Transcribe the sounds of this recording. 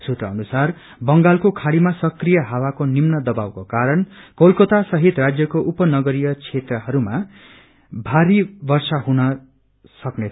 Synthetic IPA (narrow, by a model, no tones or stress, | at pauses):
sut̪rʌʌnusar | bʌŋɡalkokʰaɽimasʌkrijʌɦawakonimnʌd̪ʌbawkokaɾʌnkolkot̪asʌɦit̪rad͡zjʌkoʔupʌnʌɡʌɾijʌt͡sʰet̪rʌɦʌɾuma | bʱaɾibʌrsaɦunʌ | sʌknetʰ